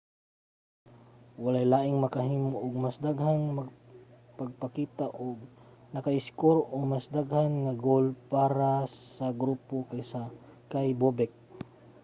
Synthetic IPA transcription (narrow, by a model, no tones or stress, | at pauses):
walajlaːʔɪŋmɐkaɦiːmoʔʊɡ̚masd̪aɡhanmaɡ | paɡ̚pakiːt̪aʔʊɡ̚ | nɐkaʔɪskoɾʔʊŋmasd̪aɡhanŋaɡolpaːɾassɐɡɾuːpokajsa | kajbobɛk̚